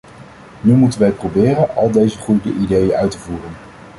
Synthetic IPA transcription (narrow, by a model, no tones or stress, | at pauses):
nymutənʋɛjprobɪːrənɑ̰lˠdejzəχrudəʔidejənœɥtəvuːrən